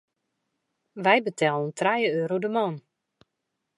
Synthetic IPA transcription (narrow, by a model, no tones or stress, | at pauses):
ʋɛjbətʰɛlˠənuntrajəøːɾowdəmɔn